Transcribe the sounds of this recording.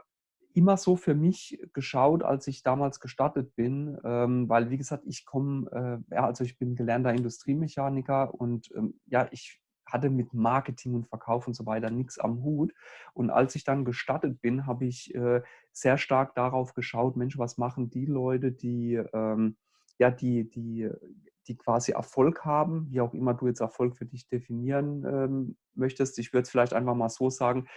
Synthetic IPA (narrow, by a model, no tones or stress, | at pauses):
ʔɪmɐzoːfyːɐmɪçɡ̥əʃaʊta̰lsɪçd̥aːmaːlsɡ̥əʃtatət̚b̥ɪnʔɛːmvaɪlviːɡəzaːk̚tɪçkʰɔmɛːja̰ːʔalzoɪçb̥ɪnɡəlɛɐntɐɪndʊstʁ̥iːmeçaːnɪkɐʔʊntʔɛ̰ːmjaːʔɪç | hatəmɪtmaɐkətʰɪŋʊntfɛɐkʰaʊfʊntz̥ovaɪtɐnɪksa̰mhuːtʔʊntʔa̰lsɪçd̥anɡəʃtatət̚b̥ɪnɦaːbəɪçʔɛː | z̥eːɐʃtaɐk̚d̥aʁaʊfɡ̥əʃaʊtmɛnʃvasmaχn̩diːlɔʏtəd̥iːʔɛːm | jaːdiːd̥iː | d̥iːkʰv̥aːziʔɛ̰ɐfɔlkhaːbm̩viːaʊxʔɪmɐduːjɛt͡stɛɐfɔlkfyːɐdɪçd̥efiniːʁənʔɛːm | mœçtəstɪçv̥ʏɐdəsfɪlaɪçtʔaɪnfaχmaːlz̥oːzaːɡŋ̩